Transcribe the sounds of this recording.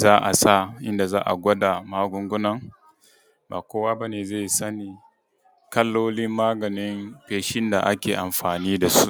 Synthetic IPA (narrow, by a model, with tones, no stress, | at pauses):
zaː˦ʔa˨sa˦˨ʔɪ˦nda˨za̰ː˦ʔa̰˨ɡʷɐ˦da˨maː˦ɡʷʊ˦ŋɡʷʊ˦nɐ˨ŋ | ba̰ː˨kʷoː˦waː˦ba˦neː˨ze˦˨jsɐ˦niː˨ | kɐ˦lːoː˦lɪ˦mːaː˦ɡɐ˨nɪ˦mɸeː˨ʃɪ˦nda˨ʔa˦kʲeː˨ʔa˨mɸaː˨niː˦da˨su˦